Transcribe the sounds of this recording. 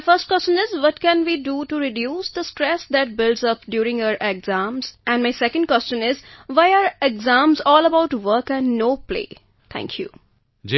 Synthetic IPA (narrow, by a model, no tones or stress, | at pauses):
fəɾsʈ̚kwɛst͡ʃə̃nɪzʋɔʈkɛ̃nʋiːɖuʈuɾɪɖjuːsd̪əsʈɾɛsd̪æʈ̚bɪlɖzʌpɖjuːɾɪ̃ŋaʊəɾʔeɡzãːmzæ̃nɖmaɪsɛkə̃ɳɖkwɛst͡ʃə̃nɪzʋaɪaɾeɡzãːmzɔːləbaʊʈʋəɾkæ̃nɖnoːplḛː | t̪ʰæ̰̃ŋkʰjṵ | d͡ʒ